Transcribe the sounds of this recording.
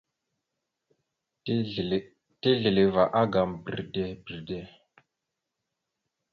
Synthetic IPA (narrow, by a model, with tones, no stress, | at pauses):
te˦ɮə˨le˨va˨ʔa˦ɡa˨mbi˨ɾde˦bi˨ɾde˦